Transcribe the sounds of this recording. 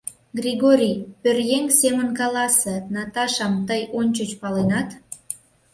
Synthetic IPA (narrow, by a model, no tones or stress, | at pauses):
ɡrʲiɣoɾʲijpørjeŋsemənkɑlɑsenɑt̪ɑʃɑmt̪əjonʲt͡ɕət͡ɕpɑlenɑt̪